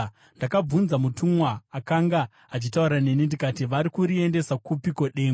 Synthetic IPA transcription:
ndakab͡vunzamutumwaːkaŋɡa | at͡ʃitauɾane̞nindikatiʋaɾikuɾie̞nde̞sakupikoɗe̞ːŋɡo

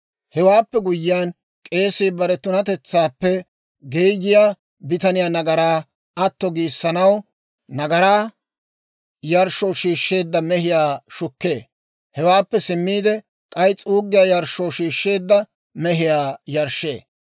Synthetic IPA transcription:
hɛwaːpːɛɡʊjːɪjaːn | kʼe̞ːsiːbɐɾɛt̪ʊnɐt̪ɛt͡sːaːpːɛ | ɡejɡɪjaː | bɪt̪ɐnɪjaːnɐɡɐɾaː | ɐt̪ːɔɡiːsːɐnɐw | nɐɡɐɾaː | jɐɾʃɔwʃiːʃːe̞ːd̪ːɐmɛhɪjaːʃʊkːe̞ː | hɛwaːpːɛsɪmːiːd̪ɛ | kʼɐjt͡sʼuːɡːɪjaːjɐɾʃːɔwʃiːʃːe̞ːd̪ːɐ | mɛɦɪjaːjɐɾʃːe̞̰ː

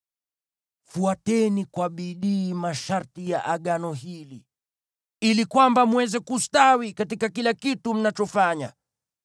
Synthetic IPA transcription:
fuatɛnikwaɓiɗiːmaʃaɾtija̰ʔaɠanɔɦili | ilikwambamwɛzɛkustawikatikakilakitum̩nat͡ʃɔfaɲa

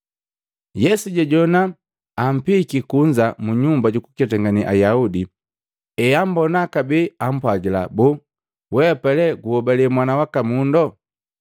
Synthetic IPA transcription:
jɛsuɟɛɟɔna | am̩pikikuɲd͡ʒamuɲumbaɟuku̥kat̬ɛŋɡaniʔa̰jaudi | ɛam̩bɔnakabiːam̩pwaɟila̰bu | wɛpɛlɛɡuhɔbalimwanawakamundɔ

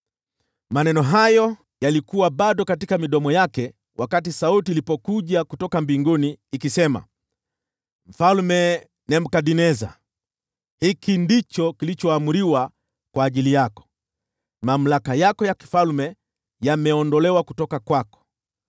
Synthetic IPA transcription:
manɛnɔɦajɔ | jalikuwaɓaɗɔkatikamiɗɔmɔjakɛ | wʔakat̬isautiːlipɔkuʄakutɔkambiŋɡuniːkisɛma̰ | m̩falmɛ | nɛm̩kaɗinɛza | hikindit͡ʃɔkilit͡ʃɔamuɾiwa | kwaːʄilijakɔ̥ | mam̩lakajakɔjaki̥falmɛ | jamɛɔndɔlɛwaku̥tɔkakwakɔ̥

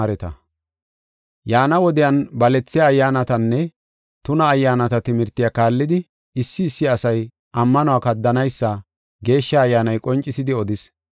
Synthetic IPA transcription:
ɾɛt̪ɐ̰ | jaːnɐwɔd̪ɪjɐnbɐlɛt͡sːɪjaːjːaːnɐt̪ɐnːɛ | t̪ʊnɐːjːaːnɐt̪ɐt̪ɪmɪɾt̪ːɪjakaːlːɪd̪ɪ | ɪsːɪːsːɪɐsɐj | ʔɐmːɐnɔaːkɐd̪ːɐnɐjsːɐ | ɡe̞ːʃːɐːjːaːnɐjkʼɔnt͡ʃʼːɪsɪd̪ɪɔd̪ɪs

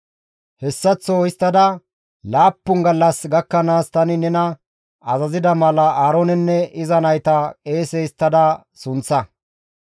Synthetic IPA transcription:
hɛsːɐt͡sːoːɪst̪ːɐd̪ɐ | laːpːʊŋɡɐlːɐsɡɐkːɐnaːst̪ɐnɪnɛnɐ | ɐzɐzɪd̪ɐmɐlɐʔaːɾonɛnːɛɪzɐnɐjt̪ɐkʼe̞ːsɛɪst̪ːɐd̪ɐ | sʊnt͡sːɐ

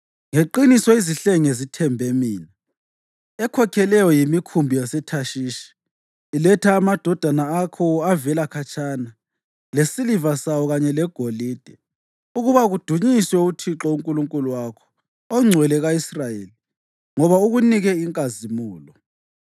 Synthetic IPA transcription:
ŋeǃinisɔiziɬeŋezitʰɛmbʱɛmiːna | ɛkʰɔkʰɛlɛjɔjimikʰumbʱijasɛtʰaʃiːʃi̥ː | lɛtʰaːmad̥ʱɔd̥ʱanaːkʰɔavɛlakʰat͡ʃʰʼaːna | lesilivasawɔɣaɲɛlɛɡ̥ʱoliːd̥ʱɛ | uɣuβaɣud̥ʱuɲiswɛutʰiǁɔuŋkʼuluŋkʼuluwakʰɔ̥ː | ŋ͡ǀʱwɛlɛɣaisrajeli | ŋɔβauɣuniɣɛiŋkʼazimuːlɔ

